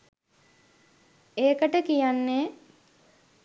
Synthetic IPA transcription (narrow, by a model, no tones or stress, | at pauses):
eːkəʈəkijanːeː